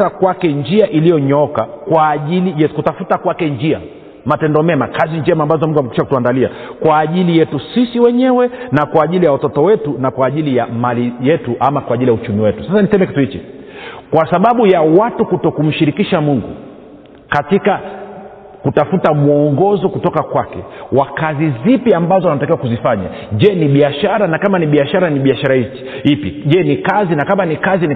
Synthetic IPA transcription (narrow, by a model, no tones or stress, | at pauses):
akwakɛnd͡ʒiaʔilijɔɲɔkakwaːʄilijɛkutafutakwakɛnd͡ʒia | matɛndɔmɛmakaziɲd͡ʒɛmaːmbazɔmuŋɡuamɛkiʃakutuandaliakwaːʄilijɛtusisiwɛɲɛwɛnakwaːʄilijawatɔtɔwɛtunakwaːʄilijamalijɛtuʔamakwaʄilijaut͡ʃumiwɛtu̥sasanisɛmɛki̥tuhit͡ʃḭ | kwasaɓaɓujawatukutɔkum̩ʃiɾikiʃamuŋɡṵ | katika | kutafutamuɔŋɡɔzɔkutɔkakwakɛ̰wakazizipiambazɔanatakiwakuzifaɲa̰ʄɛniɓiaʃaɾanakamaniɓiaʃaɾaniɓiaʃaɾait͡ʃihipiʄɛnikazinakamanikazin